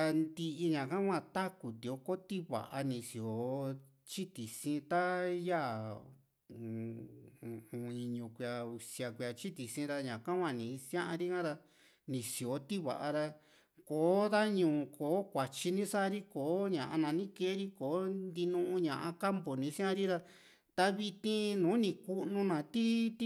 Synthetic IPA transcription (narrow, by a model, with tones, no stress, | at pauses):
a˧nd̪i˧ʔi˧ɲã˨kã˦kʷã˧t̪a˦ku˨t̪i˨o˧˦ko˦t̪i˦βa̰˨ʔa˧nĩ˧si˨o˨˦ | t͡ʃi˦t̪i˨sĩ˧˦t̪a˦ja˦˨˧ | ũ˨˧i˧ɲũ˧kʷi˧a˧u˧sja˧kʷi˧a˧t͡ʃi˦t̪i˨sĩ˦˧ɾa˧ɲã˨kã˦kʷã˧˨nĩ˨˧sj̃ã˦ʔã˧ɾi˦kã˦ɾa˧ | nĩ˨si˨o˨˦t̪i˦βa̰˨ʔa˧ɾa˧ | koː˨˦ða˦ɲũː˨˧koː˨˦kʷa˨t͡ʃi˧nĩ˦sa˦ɾi˦koː˨˦ɲã˨ʔã˧nã˧nĩ˦ke˦ɾi˦koː˨˦nd̪i˧nũ˧ʔũ˧ɲã˨ʔã̰˧ka˦mbo˨nĩ˧˦sĩ˦ã˦ɾi˦ɾa˧ | t̪a˧βi˧t̪ĩ˧nũː˨˦nĩ˧ku˦nũ˧nã˨t̪i˦t̪